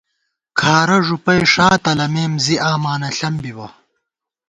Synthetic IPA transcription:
kʰaːɾɐʐupɐjʂaːt̪ɐlɐmeːmziaːmaːnɐɬɐmbiwɐ̰

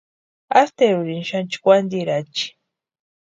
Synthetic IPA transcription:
a̰st̪eɾuɾinʃant͡ʃi̥kʷand̪iɾat͡ʃi̥

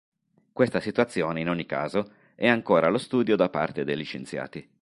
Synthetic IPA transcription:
kwest̪asit̪uat̪sːjoːneinoɲːika̰ːzo | ɛaŋkoːɾalost̪uːd̪jod̪apːa̰rt̪ed̪ejlːit͡ʃent̪sja̰ːt̪i

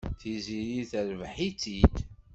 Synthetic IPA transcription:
θiziɾiθəɾvħit͡sːid̪

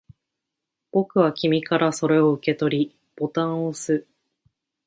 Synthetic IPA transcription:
b̥o̞kɯ̟βakʲimʲikaɾaso̞ɾe̞o̞ɯ̟ke̞t̪o̞ɾʲi | b̥o̞t̪ãɰ̃o̞sɨ

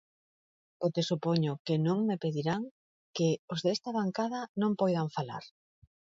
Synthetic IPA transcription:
ot̪esupoɲʊkenõŋmepeðiɾaŋ | keozðeɛst̪aβaŋkaðanõmpojðaɱfala̰ɾ

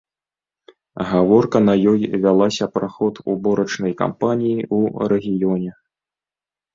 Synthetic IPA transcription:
ɣavɔrkɐnɐjɔjvʲalˠasʲɐpɾaxɔt̪ṵbɔɾɐt͡ʂnɐjka̰mpanʲijiuɾɛɣʲijɔnʲɛ

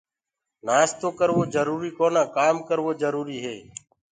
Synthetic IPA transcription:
naːst̪õːkəɾʋoːzəɾuːɾiːkoːnãːkaːmkəɾʋoːd͡ʒəɾuːɾiːɦeː

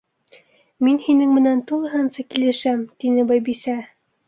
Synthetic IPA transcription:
minhinɘŋmɘ̆nænt̪ulˠɤ̆ɦɤnsɑkilɘ̆ʃæmt̪inɘbɑjbisæ

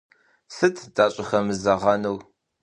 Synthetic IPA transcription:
sɨtʰd̥aːɕʼɪxɐmɨzɐʁɐnəw

